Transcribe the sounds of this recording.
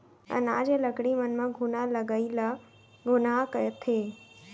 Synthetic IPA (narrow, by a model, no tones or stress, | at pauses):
ə̰̃na̰ːd͡ʑelɐkɽimɐnmãɡʱʊnalɐɡəila | ɡʱʊnakɐjot̪ʰeː